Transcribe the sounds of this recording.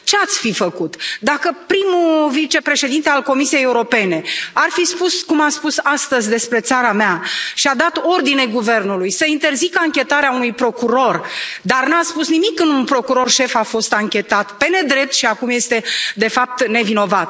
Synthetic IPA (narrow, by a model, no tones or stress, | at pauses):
t͡ʃe̞at̪sʲfifəkut̪d̪akəpɾimuvit͡ʃe̞pɾe̞ʃed̪int̪e̞alko̞misie̞jeuɾope̞ne̞arfispuskumaspusast̪əzʲd̪e̞spɾe̞t̪saɾameaʃiad̪at̪o̞rd̪inejɡuve̞rnulujsəint̪e̞rzikəaŋkʲe̞t̪aɾeaunujpɾo̞kuɾo̞rd̪arnuaspusnimikːɨnd̪unpɾo̞kuɾo̞rʃe̞fafo̞st̪aŋkʲe̞t̪at̪pe̞ne̞d̪ɾe̞p̚t̪ʃiakumje̞st̪e̞d̪e̞fap̚t̪ne̞vino̞vat̪